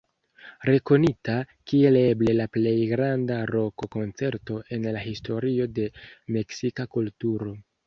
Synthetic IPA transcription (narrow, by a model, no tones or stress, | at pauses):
ɾe̞ko̞nita | kie̞le̞ble̞laple̞jɡɾandaɾo̞ko̞ko̞nt͡se̞ɾto̞e̞nlaɦistʰo̞ɾio̞de̞me̞ksikakultuɾo̞